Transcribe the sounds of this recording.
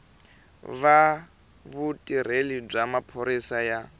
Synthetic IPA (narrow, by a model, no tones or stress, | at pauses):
βa | βutʼir̤elib͡ʐamapʰoɾisaja